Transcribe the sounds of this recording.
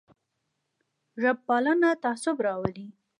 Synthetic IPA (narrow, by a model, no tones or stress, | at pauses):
ʒab̚ːɑlənat̪asʊbɾɑwəli